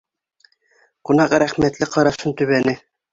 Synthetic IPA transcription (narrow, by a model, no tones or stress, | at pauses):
qunɑqɤɾæχmæt̪lɘqʰɑɾɑsɤnt̪ɵ̆βænɘ